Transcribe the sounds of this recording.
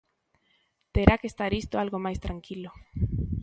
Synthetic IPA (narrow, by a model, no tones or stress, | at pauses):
t̪eɾakest̪aɾist̪oalɣomajst̪ɾaŋkilo